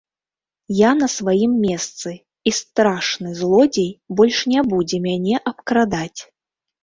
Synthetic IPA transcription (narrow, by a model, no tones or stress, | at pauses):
janɐsvajimːʲɛst̪sɨ | ist̪ɾaʂnɨzlˠɔd͡zʲejbɔlʲʂnʲabud͡zʲɛmʲanʲɛʔɐpkɾad̪at͡sʲ